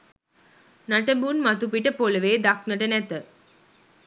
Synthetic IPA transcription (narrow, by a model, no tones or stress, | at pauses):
naʈəbuːnmat̪upiʈəpoləʋeːd̪ak̚nəʈənæt̪ə